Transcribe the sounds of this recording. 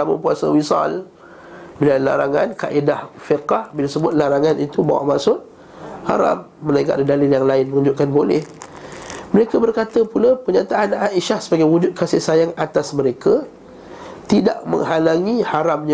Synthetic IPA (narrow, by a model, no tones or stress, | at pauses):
t̪amə̰puasə̰wisɑ̰l | bilala̰ɾaŋa̰nka̰ʔedahfiqɑhbilasəbʊt̪̚laɾaŋanit̪uba̰wa̰ʔmaʔsʊt̪̚ | ha̰ɾa̰mːənaŋɡa̰ʔladalɪljaŋlaɪnməŋuɲd͡ʒʊʔ̪̚kanbolɛ̰h | məɾekabərkat̪əpulapəɲat̪aʔːnaʔiʃahsəbaɡajwud͡ʒʊt̪̚kasɪhsajaŋat̪asməɾekʰa | t̪ida̰ʔmə̰̃ŋhalaŋĩhaɾamɲa